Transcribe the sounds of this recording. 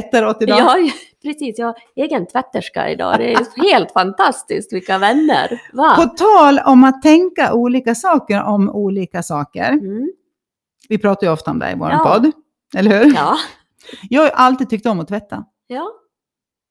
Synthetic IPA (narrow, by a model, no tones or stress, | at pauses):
ɛt̪ːaɾoːt̪ːɪd̪ɑpʰɾɛsiːsjɑ | eːɡənt̪ʰvɛt̪ːəʂka̰ɪ̰d̪ɑ̰ːd̪ɛjheːlt̪fant̪ʰast̪ɪsk̪mɪkːavɛnːə̰ɾvapɔt̪ʰɑːlɔmat̪ʰːɛŋkaʔuːliːkasɑːkəɾɔmuːliːkasɑːkə̰ɾ | vɪpʰɾɑːt̪ajʉɔft̪aɔmd̪ɛ̰ɾɪ̰vo̰ːɾa̰pʰɔd̪ː | ɛlːəɾhʉ̟ːɾː | jɑːɡaʔalt̪id̪̚t̪ʰʏk̚t̪ɔmːɔt̪ʰvɛt̪ʰːa | jɑː